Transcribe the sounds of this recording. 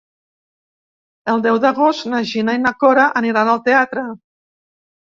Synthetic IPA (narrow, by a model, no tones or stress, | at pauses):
əlˠd̪ɛwd̪əɣost̪naʒinainakɔɾaʔəniɾanəlˠt̪eat̪ɾə